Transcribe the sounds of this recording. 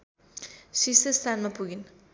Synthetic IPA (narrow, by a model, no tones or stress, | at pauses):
sisest̪ʰanmapuɡin